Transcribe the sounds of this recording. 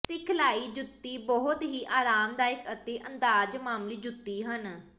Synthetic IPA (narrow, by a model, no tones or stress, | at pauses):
sɪkʰlaːiːd͡ʒʊt̪ːiːbɔɦʊt̪ɦiːʔaːɾaːmd̪aːɪkət̪eːʔə̃nd̪aːd͡ʒmaːmliːd͡ʒʊt̪ːiːɦən